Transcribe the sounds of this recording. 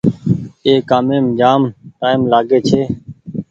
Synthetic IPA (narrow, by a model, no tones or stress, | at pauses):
eːkaːmẽːmd͡ʒaːmʈaːɪmlaːɡeːt͡ʃʰeː